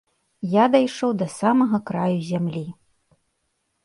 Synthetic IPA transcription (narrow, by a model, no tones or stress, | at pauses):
jad̪ɐjʂɔwd̪ɐsamɐɣɐkɾajuzʲamlʲi